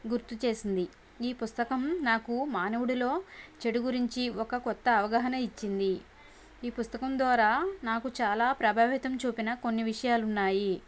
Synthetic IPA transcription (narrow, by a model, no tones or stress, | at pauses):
ɡuɾt̪ut͡ʃe̞ːsind̪i | iːpust̪ɐkɐmnaːkumaːnɐwuɽulo̞ːt͡ʃe̞ɽuɡuɾiɲt͡ʃiɔkɐkɔt̪ːɐːʋɐɡɐɦɐnɐit͡ʃːind̪i | iːpust̪ɐkɐmd̪ʋaːɾaːnaːkut͡ʃaːlaːpɾɐbʱaːʋit̪ɐmt͡ʃuːpinɐko̞nːiʋiʂɐjaːlunːaːji